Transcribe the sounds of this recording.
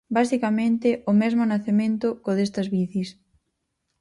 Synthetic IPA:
basikɐmẽnt̪ɪʔʊmɛzmʊnaθemẽnt̪ʊkoðest̪ɐzβiθis

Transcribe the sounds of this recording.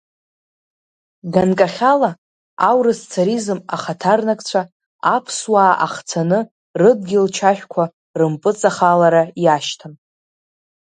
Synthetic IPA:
ɡankʼaχʲala | awɾɨst͡sʰaɾizɨmaχatʰarnakʼt͡ɕʷʰa | apʰswaːʔaχt͡sʰanɨ | rɨd̚ɡʲɪlt͡ʃʰaħʷᶣkʷʰa | rɨmpʼɨt͡sʼaχalaɾajaʃtʰan

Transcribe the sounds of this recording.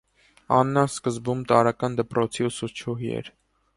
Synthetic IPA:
ɑnːɑnskəzbumt̪ɑɾɑkɑnd̪əpɾɔt͡sʰiusut͡ʃʰuɦiɛ̰ɾ

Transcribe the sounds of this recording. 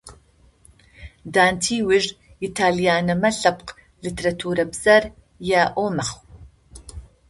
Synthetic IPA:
d̪aːnt̪ʰiːwiʒ | it̪ʰaːlijaːnɐmɐɬɐpq | lit̪ʰɾɐtʰuɾɐbzɐɾ | jaʔoːmɐχw

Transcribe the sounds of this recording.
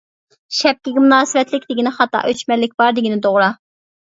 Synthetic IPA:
ʃɛp̚kʲiɡʲɪmunɑːsɨvɛt̪lɪkʲd̪ɪɡʲinɪχɑt̪ɑ̰ʔøt͡ʃmɛlːɪkʲbɑɾd̪ɪɡʲinɪd̪oʁɾɑ

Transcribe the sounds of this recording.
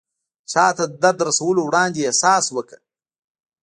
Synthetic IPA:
t͡ʃɑːt̪ad̪d̪aɾd̪ɾasɐwəlowɽɑːnd̪eesɑːswəkə̥

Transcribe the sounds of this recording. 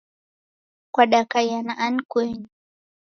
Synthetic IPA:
kwaɗakajanaʔankweɲi

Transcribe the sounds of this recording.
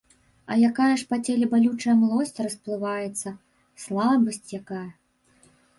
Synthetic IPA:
ɐ̰jakajɐʂpat͡sʲelʲɛbalʲut͡ʂɐjɐmlˠɔsʲt͡sʲrɐsplˠɨvajɛt̪sːɐ | slˠabɐsʲt͡sʲjakajɐ

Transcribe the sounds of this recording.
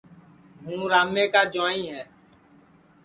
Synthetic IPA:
ɦũːɾamːẽkad͡ʒwãĩɦɛ̃

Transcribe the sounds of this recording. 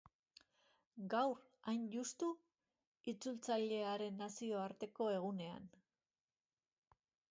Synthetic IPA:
ɡawr | ajnʝust̪u | it͡sult͡saʎe̞aɾe̞nːasio̞aɾt̪e̞ko̞e̞ɣ̞une̞a̰n

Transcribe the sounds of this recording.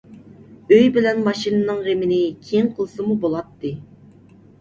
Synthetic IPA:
øjbɪlɛnmɑʃinɨnɨŋʁemɪnɪkʲʰejŋqʰəlˠsɨmubolˠɑt̪ːɨ

